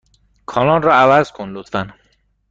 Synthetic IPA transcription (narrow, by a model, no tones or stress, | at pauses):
kʰɒːlɒnrɒævæzkʰonlot̪fæn